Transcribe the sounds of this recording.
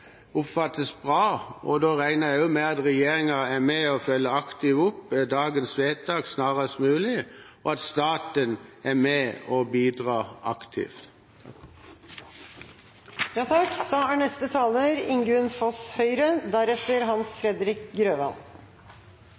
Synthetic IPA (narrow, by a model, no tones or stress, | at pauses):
ʊpfɑt̪əsbʁɑːɔd̪oːʁæɪnəʁjæʊmɛɑt̪ʁɛjeːɾɪŋɑæmɛɔfœlːəɑkt̪ɪʋʊpːd̪ɑːɡənsʋeːt̪̚d̪ɑːɡsnɑːʁəsmʉːlɪ | ɔɑt̪st̪ɑːt̪ənæmɛɔbiːd̪ʁɑːʔɑkt̪ʰɪ̰ft̪ | jɑːt̪ʰɑkd̪ɑːæɳɛst̪ət̪ʰɑːləɾɪŋɡɾʉnfɔshœʏɾəd̪æɾɛt̪əɾɦɑnsfɾɛd̪ɾɪkɡɾøːʋɑ̰n